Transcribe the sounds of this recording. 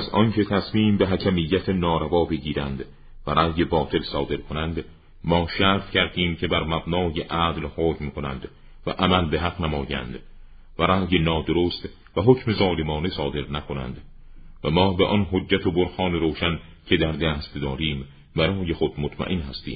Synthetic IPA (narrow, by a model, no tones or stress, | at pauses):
æzʔɒ̰ncʰe̞t̪ʰæsmiːmbe̞ɦæcʰæmijːæt̪ʰenɒːɾævɒːbe̞ɟiːɾænd̪ | væɾæːje̞bɒːt̪ʰe̞lsɒːd̪e̞ɾkʰonænd̪ | mɒːʃæɾt̪cʰæɾd̪iːmcʰe̞bæɾmæbnɒːjeʔæːd̪lhoːcmkʰo̞næ̰nd̪ | væ̰ʔæmælbe̞ɦæqnæmɒːjæ̰nd̪ | væɾæːjenɒːd̪oɾoːst̪ | væɦocʰme̞zɒːlemɒːnesɒːd̪e̞ɾnækʰonæ̰nd̪ | væmɒːbeʔɒnɦod͡ʒːæt̪ʰoboɾxɒːneɾoːʃæn | cʰe̞d̪æɾd̪æːst̪d̪ɒːɾiːm | bæɾɒːje̞xod̪mot̪ʰmæ̰ʔenɦæst̪ḭːm